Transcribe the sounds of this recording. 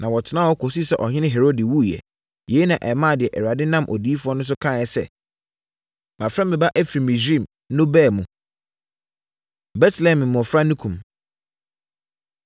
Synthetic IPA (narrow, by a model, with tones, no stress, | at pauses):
nã˨wɔ˨tʰɪ˨˦nã˦wɔ˦kʰo˨si˦sɛ˦ʔɔ˨ɲɪ̃˦nɪ̃˦ɦe˨ɾo˦di˨wu˦jɛ̰˨ | je˨˦i˦nã˨ʔɛ˨mã˦˨dɪ˨ɛ˨ʔɛ˨wa˨dɪ˦nã˦mʔɔ̰˨di˨˦i˦fu˦ɔ˦nʊ̃˦s̬ʊ˦kʰã˦˨jɛ˨sɛ̰˦˨ | mã˨fɾã˦mɪ̃˨ba˦ʔɛ˦fɾi˨mĩ˨sĩ˦˨m˦nʊ̃˦bɛː˦˨mũ˨ | bɛ˦tʰlɛ̃˨mɪ̃˨mʊ̃˨ɔ˨fɾa˦nũ˦kʰũ˨m